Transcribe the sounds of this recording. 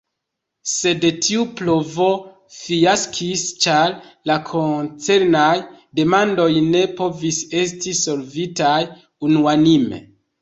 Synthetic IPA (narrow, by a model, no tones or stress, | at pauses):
se̞detʰiuplo̞vo̞ | fijaskʰist͡ʃaɾlakʰo̞nt͡se̞ɾnaj | de̞mando̞jne̞po̞vise̞s̬tiso̞lvitaj | unuanimḛ